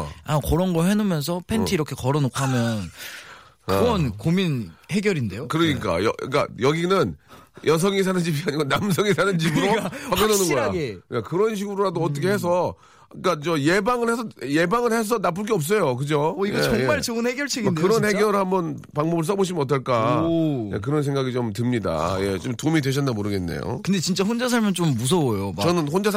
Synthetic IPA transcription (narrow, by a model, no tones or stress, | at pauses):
akʌɾʌnɡʌɦenomjʌns̬ʰʌpʰenʰiiɾʌkʰe̞kʌɾʌnokʰamjʌn | ɯwʌnkominhe̞ɡjʌɾinde̞jokɯɾʌɲik͈a̰jʌḭk͈a̰jʌɡinɯnjʌs̬ʰʌŋis̬ʰanɯnd͡ʑibiaɲiɡonams̬ʰʌŋisʰanɯnd͡ʑibuɾoak͈ːʌnonɯnɡʌjekakɯɾʌnɕ̬ʰiɡuɾoɾadoʌt̬͈ʌkʰe̞he̞s̬ʰʌ | k͈at͡ɕʌje̞baŋɯɭhesʰʌje̞baŋɯɭhe̞s̬ʰʌnap̬͈uɭk̬͈eʌp̚s͈ʌjokɯd͡ʑoiɡjʌeʌŋmat͡ɕʌɯnheɡjʌɭt͡ɕʰeɡidkɯɾʌnhe̞ɡjʌɾɯɭhambʌn | paŋbʌbɯɭs̬͈ʌboɕ̬ʰimɯnʌt͈ʌɭk͈ajḛk̬ɯɾʌnsʰe̞ŋɡaɡit͡ɕomtɯmɲida̰je̞t͡ɕomtumidwe̞ɕ̬ʰʌndamoɾɯɡe̞nːḛjo̰kɯndet͡ɕint͡ɕ͈aɸond͡ʑas̬ʰaɭmjʌnt͡ɕomːus̬ʰʌojot͡ɕʌnɯnɸond͡ʑas